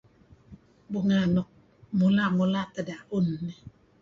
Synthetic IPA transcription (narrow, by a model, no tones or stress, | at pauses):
buŋanɔk̚ | mulamulat̪adaʔunːe